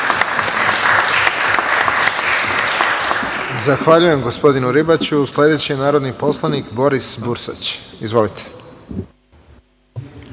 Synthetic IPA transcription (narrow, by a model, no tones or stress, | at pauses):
zaxʋaʎuje̞mɡo̞spo̞d̪inuɾibat͡ɕusle̞d̪et͡ɕienaːɾo̞d̪nipo̞slˠanikbo̞ɾisbuɾsa̰t͡ɕizʋo̞lit̪ʰe̥